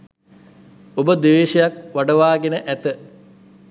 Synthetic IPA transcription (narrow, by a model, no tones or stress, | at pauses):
obəd̪eʋeːʂɐjak̚ʋaɖəʋaːɡenəʔæt̪ə